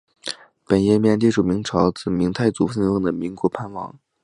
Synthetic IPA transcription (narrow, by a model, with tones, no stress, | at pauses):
pə˨˩njɛ˥˧mjɛ˥˧nt̪i˥ʈ͡ʂu˨˩mi˧˥ŋʈ͡ʂʰɑ˧˥ʊt͡sɹ̩˨˩mi˧˥ŋt̪ʰa˥˩ɪt͡su˨˥fə˥˧njʊ˥˩ŋd̪ə˩mi˧˥ŋkwɔ˧˥pʰa˥˧nwɑ̰˥˩ŋ